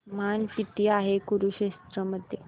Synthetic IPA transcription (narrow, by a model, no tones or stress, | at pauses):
mankit̪iːaɦekuɾuɕest̪ɾəməd̪ʱːje